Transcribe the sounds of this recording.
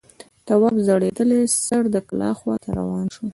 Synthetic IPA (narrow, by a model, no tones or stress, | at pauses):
t̪awɑbzəɽed̪əlesəɾd̪əklɑ̰xwɑt̪ʰaɾa̰wɑnʃu